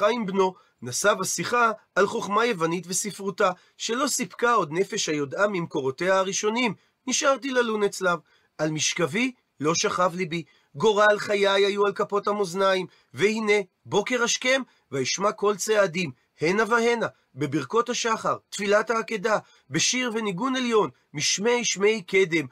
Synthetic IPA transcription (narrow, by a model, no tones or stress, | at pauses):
aimbno̞ | nasavhasiχaːlχo̞χmaje̞vanitve̞sifʁuta | ʃe̞lo̞sipkao̞d̪ne̞fe̞ʃhajo̞damimko̞ʁo̞te̞haːʁiʃo̞nim | niʃʔaʁt̬ilalunet͡slav | almiʃkavi | lo̞ʃaχavlibi | ɡo̞ʁalχajajajualkapo̞thamo̞znaim | vehine̞ | bo̞ke̞ʁhaʃke̞m | vaiʃmako̞lt͡seadim | he̞navahe̞na | be̞biʁko̞thaʃaχaʁt̪filathaːkeda | beʃiʁveniɡune̞ljo̞n | miʃmejʃme̞jke̞d̪e̞m